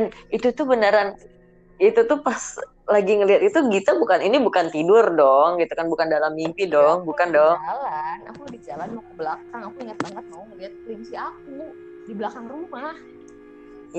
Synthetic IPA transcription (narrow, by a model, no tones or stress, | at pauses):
danit̪ut̪ʊbənaɾan | it̪ut̪upas | laɡiŋəliɦat̪̚it̪uɡit̪abukaninibukant̪idʊrdɔŋɡit̪ukanbukandalamːimpidɔŋbukandɔalana̰kudid͡ʒalanmakubəlakkaŋakuiŋat̪̚bakat̪̚maŋəliat̪̚liŋsiak̚u | dibəlakaŋrumah | ja